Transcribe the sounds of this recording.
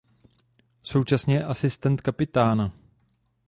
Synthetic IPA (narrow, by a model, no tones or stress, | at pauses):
so̞wt͡ʃasɲɛjɛʔasɪst̪ɛnt̪kapɪt̪aːna